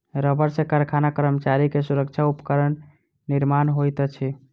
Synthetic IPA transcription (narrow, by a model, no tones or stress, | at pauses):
ɾəbəɾsẽkəɾkʰanakəɾəmət͡ʃaɾikesuɾək̚t͡ʃʰaupəkəɾənː | iɾmanɦojt̪t͡ʃʰi